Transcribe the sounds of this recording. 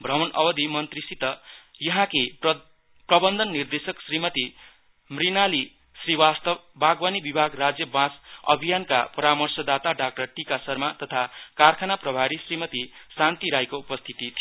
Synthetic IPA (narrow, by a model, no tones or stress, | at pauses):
bʱrʌmʌnʔʌ̰bʌd̪ʱimʌnt̪risit̪ʌjʌɦãke | prʌbʌnd̪ʱʌnːird̪esʌksrimʌt̪i | mrinali | sriwast̪ʌbbaɡwʌnibibʱaɡrad͡zjʌbãsʌ̰bʱijankapʌɾamʌrsʌd̪at̪aɖak̚ʈʌrʈikasʌrmat̪ʌt̪ʰakarkʰanaprʌbʱaɾisrimʌt̪isant̪iɾajkoupʌst̪ʰit̪it̪ʰi